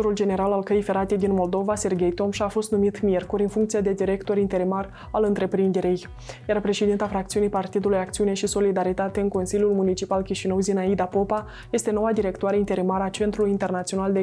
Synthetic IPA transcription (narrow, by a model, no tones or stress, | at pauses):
oɾuld͡ʒe̞ne̞ɾalalkəjijfeɾat̪e̞jd̪inmo̞ld̪o̞vase̞rɡʲe̞jt̪o̞mʃafo̞st̪numit̪mijerkuɾʲɨnfuŋk̚t̪sijed̪e̞d̪iɾe̞kt̪o̞ɾint̪e̞ɾimar | alɨnt̪ɾe̞pɾind̪e̞ɾej | jaɾapɾe̞ʃe̞d̪int̪afɾak̚t̪siunijpart̪id̪ulujakt̪siune̞ʃiso̞lid̪aɾit̪at̪e̞ɨŋko̞nsiljulmunit͡ʃipalkʲiʃinəwzinaid̪apo̞pa | je̞st̪e̞no̞wad̪iɾe̞kt̪oaɾe̞int̪e̞ɾimaɾat͡ʃe̞nt̪ɾulujint̪e̞rnat̪sio̞nald̪e